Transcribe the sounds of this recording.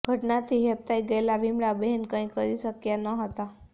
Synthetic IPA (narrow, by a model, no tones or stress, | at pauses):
ɡʱəʈnat̪ʰiɦep̚t̪ajɡejlaʋimɽabenkə̃ĩkəɾiɕəkjanəɦət̪a